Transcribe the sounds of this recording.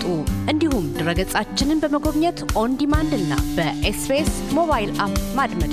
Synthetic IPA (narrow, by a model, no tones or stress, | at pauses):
t̪ʼuʔɨnd̪ihumd̪ɨɾəɡəsʼat͡ʃːɪnɨnbəməɡo̞βɲɛt̪ʔond̪imand̪ɨnːa̰bəʔespes | mo̞βajilapmad̪məd̪